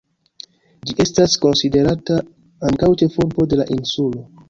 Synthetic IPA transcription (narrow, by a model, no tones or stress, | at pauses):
d͡ʒiʔe̞stasko̞nside̞ɾata | aŋkawt͡ʃe̞fuɾbo̞de̞laʔinsulo̞